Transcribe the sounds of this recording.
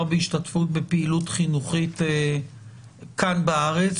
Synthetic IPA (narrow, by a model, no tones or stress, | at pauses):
ʁbeiʃtatfut̚bepeilutχinuχite | kanbaaʁet͡s